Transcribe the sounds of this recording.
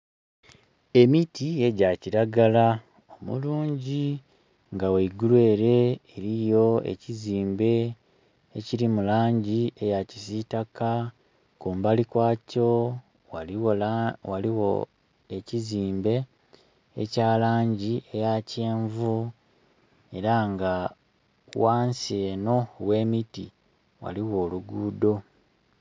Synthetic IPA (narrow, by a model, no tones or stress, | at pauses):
e̞mitie̞ɟaciɾaɡala | o̞mṵluːɲɟi | ŋɡaweiɡulwe̞ːɾe̞eɾijo̞e̞̰ciziːmbe̞ː | ciɾimulaːɲɟiʔe̞jacisitaka | kuːmbalikwaːco̞ | a | waliwo̰ | e̞ciziːmbe̞ː | caːlaːɲɟie̞jace̞ːɱvu | e̞ɾaŋɡa | waːnsieːno̞we̞ːmitḭ | wa̰liwo̞ːluɡuːdo̞